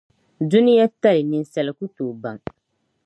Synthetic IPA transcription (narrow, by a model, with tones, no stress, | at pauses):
du˦ni˦ja˦ta˦lɪ˨nɪ˨n˦sɛ˨lɪ˨ku˦toː˨ba˨ŋ